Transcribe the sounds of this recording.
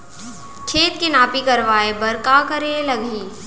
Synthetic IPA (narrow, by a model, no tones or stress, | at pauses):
kʰeːt̪kenaːpikɐɾʋaːebɐɾkaːkɐɾelɐɡʱiː